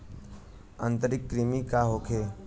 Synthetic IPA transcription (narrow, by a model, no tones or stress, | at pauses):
ə̃nt̪əɾɪkːɾimikaɦoːkʰeː